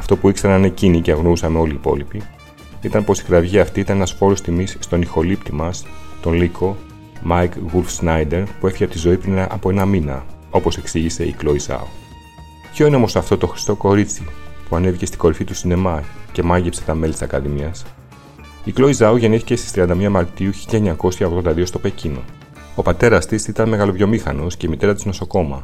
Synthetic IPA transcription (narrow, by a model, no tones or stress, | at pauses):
ɐft̪o̞puikseɾɐne̞ciniceɐɣnousɐme̞o̞liːpo̞̰lipi | it̪ɐnpo̞si̥xɾɐvʝiɐft̪iit̪ɐnenɐspo̞ɾo̞st̪imisːt̪o̞nixo̞lipt̪imɐst̪o̞nlikʰo̞ | mɐjkɣulfznɐjd̪e̞ɾpue̞fiçɐp̚t̪izo̞ipɾinɐpo̞e̞nɐminɐo̞po̞se̞ksiʝise̞iklo̞izɐ̰o | pço̞ineo̞mosɐft̪o̞t̪o̞xɾi̥st̪o̞ko̞ɾit͡sipuɐnevicest̪i̥ɡ̥o̞ɾifit̪usine̞mɐce̞mɐʝepse̞t̪ɐme̞lit̪isɐ̰kɐðimiɐs | iklo̞izɐoʝe̞niθi̥ce̞st̪ist̪ɾiɐnd̪ɐmiɐmɐɾt̪iuçiʎɐeɲɐko̞sçɐo̞ɣðo̞nd̪ɐðiost̪o̞pe̞cino̞̰ | opɐt̪e̞ɾɐst̪isit̪ɐnme̞ɣɐlovʝo̞mixɐnosce̞imit̪e̞ɾɐt̪izno̞so̞ko̞mɐ̰